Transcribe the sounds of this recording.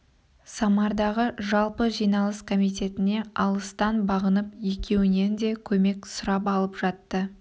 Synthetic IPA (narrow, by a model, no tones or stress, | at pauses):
sɑmɑɾd̪ɑʁəʒɑlˠpəʒijnɑlˠəskʰo̞mijt̪e̞t̪ɪne̞ɑlˠəst̪ɑnbɑʁənəpje̞kʲe̞wɪne̞nd̪e̞kʲʰɵme̞ksʊɾɑp̬ɑlˠəpʒ̥ɑt̪ːə